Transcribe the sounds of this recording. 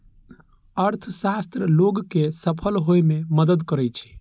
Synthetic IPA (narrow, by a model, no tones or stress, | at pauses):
əɾt̪ʰsast̪ɾəloɡkesəpʰəlɦojmẽməd̪əd̪kəɾɛt͡ʃʰi̥